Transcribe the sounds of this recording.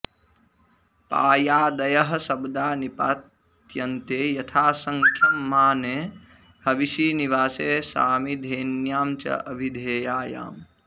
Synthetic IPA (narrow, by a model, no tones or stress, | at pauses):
pa̰ːjaːd̪ɐjɐɦɐsɐbd̪aːnipaːt̪ | jɐnt̪eːjɐt̪ʰaːsɐŋkʰjɐmːaːne | hɐʋiʃiːniʋaːseːsa̰ːmid̪ʱeːnjaːmt͡ʃɐ̰ʔɐbʱid̪ʱeːjaːja̰ːm